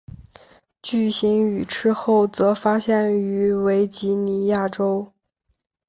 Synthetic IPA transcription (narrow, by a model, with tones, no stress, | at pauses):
t͡ɕy˥˩ɕi˧˥ŋy˨˩ʈ͡ʂʰɻɻ̩˥xo˥˩ʊt͡sɤ˧˥fa˥ɕjɛ˥˩ny˧˥we˧˥ɪt͡ɕi˧˥ni˧˥ja˥˩ʈ͡ʂo˥ʊ